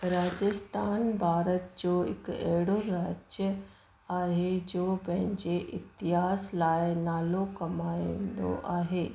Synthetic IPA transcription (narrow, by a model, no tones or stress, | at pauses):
ɾaːd͡ʒəst̪ʰaːnbʱaːɾət̪̚d͡ʒoːɪ̰kɛːɽoɾaːd͡ʒjə | aːɦed͡ʒoːbɛ̃ɦɪnd͡ʒeʔɪt̪ɪɦaːslaːjenaːlokɐmaːend̪o̰ʔaːɦeː